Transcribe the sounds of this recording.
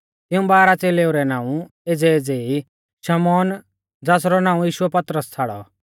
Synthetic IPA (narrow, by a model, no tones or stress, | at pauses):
t̪ɪũbaːɾat͡seːleːuɾɛnãːũ | eːd͡zɛeːd͡zei | ʃɐmɔːn | d͡zaːs̬ɾɔnãːũjiːʃʊɛpɐt̪ɾəst͡sʰaːɽɔ̰